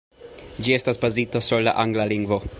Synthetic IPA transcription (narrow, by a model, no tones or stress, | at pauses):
d͡ʒie̞stasbazitosuɾla̰ʔaŋɡlaliŋɡvo̞